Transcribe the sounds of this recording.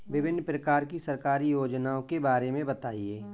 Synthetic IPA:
ʋɪbɪnːpɾəkaːɾkisɐɾkaːɾijoːd͡ʒnaõkebaːɾemẽbɐt̪aːieː

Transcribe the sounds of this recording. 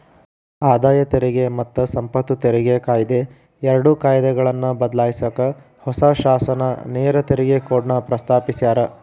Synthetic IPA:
aːd̪aːjɐt̪eɾɛɡemɐt̪ːɐsɐmpɐt̪ːut̪eɾɛɡekaːjd̪e | ɛɾɐɽukaːjd̪ɛɡɐɭɐnːɐbɐd̪laːjisɐkɐ | hɔsaʃaːsɐnɐneːɾɐt̪eɾɛɡekoːɽɳɐpɾɐst̪ʰaːpisjaːɾɐ

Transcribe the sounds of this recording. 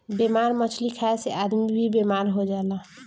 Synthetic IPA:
bemaɾmət͡ʃʰlikʰaeseʔad̪mibʱibemaɾɦod͡ʒaelã

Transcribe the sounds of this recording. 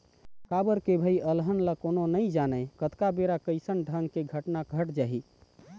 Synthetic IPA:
kabəɾkebʱəiəlɦənlakononəĩd͡ʒanəkət̪kabeɾakəɪsənɖʱəŋɡkeɡʱəʈnaɡʱəʈd͡ʒaɦi

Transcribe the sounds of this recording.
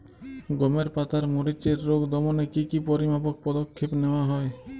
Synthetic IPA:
ɡɔmeɾpat̪aɾmoɾit͡ʃeɾːoɡd̪ɔmɔnekikipɔɾimapɔk̚pɔd̪ɔkʰːepnewaɦɔe

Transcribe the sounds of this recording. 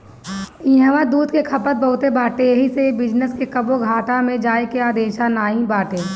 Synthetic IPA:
ĩɦəʋãd̪uːd̪kekʰɐpət̪̚bɐɦʊt̪ebaːʈejɐɦisebɪd͡ʒnəskekɐboɡʱaːʈamẽd͡ʒaːekeaːd̪eːʃanaːɦĩbaːʈeː

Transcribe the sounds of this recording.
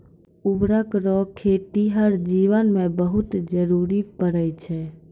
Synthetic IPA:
ubɾəkɾɔkʰːeʈiɦəɾd͡ʒiʋənmebəɦut̪d͡ʒəɾuɾipəɾəjt͡ʃʰɛ

